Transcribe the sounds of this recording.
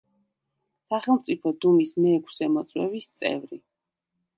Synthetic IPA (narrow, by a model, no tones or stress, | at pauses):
saχɛlˠmt̪sʼipʰɔd̪umismɛːkʰsɛmɔt̪sʼwɛ̰vist̪sʼɛ̰vɾi